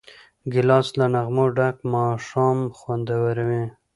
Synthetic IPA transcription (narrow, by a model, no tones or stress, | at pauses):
ɡɪlɑslanaɣmoɖakmɑʂɑmxwand̪awaɾawe